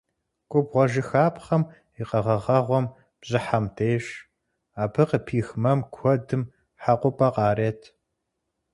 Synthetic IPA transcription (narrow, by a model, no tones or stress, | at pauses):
kʷʼʊbʁʷɔʒɪxaːpχɐm | iqɐʁɐʁɐʁʷɔm | b̥zɪħamtʰeːɕ | aːpʰɨqəpʰiːxmɐmkʷʰɔdɨm | ħaqʷʊpʼɐqɑːreːtʰ